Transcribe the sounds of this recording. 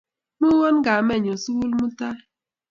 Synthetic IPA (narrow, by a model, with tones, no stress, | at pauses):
nu˦wɔ˦n̩˦ɡa˨me˦˨ɲ˨o˨su˦wu˦lmu˦ta˦